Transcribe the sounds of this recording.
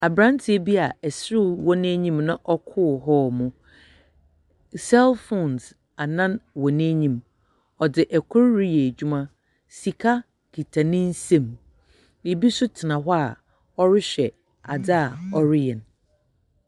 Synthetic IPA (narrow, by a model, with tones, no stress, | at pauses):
a˨bɾã˦n˦tʰɪ˨˦e˦bi˦a˨ɛ˨sɪ˦ɾɪ˦wɔ˦nɛ̃˦ɲĩ˦mnã˦˨ʔɔ˦kʰʊ˦ɦɔ˦mʊ̃˨ | sɛ˦lfɔ̃˨ns | a˨nã˦nwɔ̃˨nẽː˦ɲĩ˨m | ɔ˨dɪ˨ʔɛ˨kʰʊ˦ɾɾi˦je˨d͡ʑᶣu˦mã˦ | si˨kʰa˦ | kʰi˨tʰa˨nɪ̃˦n̩˦sẽ˦˨m | ji˨bi˦sʊ˦tʰɪ˨nã˨ɦɔ˦a˨ | ɔ˦ɾɪ˦ɕᶣɛ˨ | a̰˨da˦a˨ɔ˦ɾɪ˦jɛ̃˨n